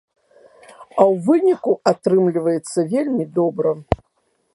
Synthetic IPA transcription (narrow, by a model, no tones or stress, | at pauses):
ɐwvɨnʲikuat̪ɾɨmlʲivɐjɛt̪sːɐvʲelʲmʲid̪ɔbɾɐ